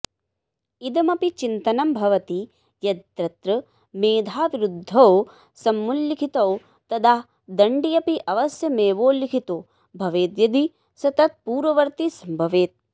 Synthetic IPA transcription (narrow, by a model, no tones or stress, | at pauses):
id̪ɐmɐpit͡ʃint̪ɐnɐmbʱɐʋɐt̪i | jɐɾɐt̪ɾɐ | meːd̪ʱaːʋiɾud̪ʱːɐw | sɐmːulːikʰit̪ɐw | t̪ɐd̪aː | d̪ɐɳɖijɐpiʔɐʋɐsjɐmeːʋoːlikʰit̪oː | bʱɐʋeːd̪jɐd̪i | sɐt̪ɐt̪̚puːɾʋɐʋɐɾt̪isɐmbʱɐʋeːt̪̚